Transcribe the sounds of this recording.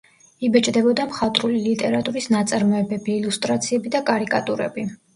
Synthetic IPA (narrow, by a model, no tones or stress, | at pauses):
ibɛt͡ʃʼd̪ɛbɔd̪amχat̪ʼɾulilit̪ʼɛɾat̪ʼuɾisnat̪sʼaɾmɔɛbɛbiːlust̪ʼɾat̪sʰiɛbid̪akʼaɾikʼa̰t̪ʼuɾɛ̰bi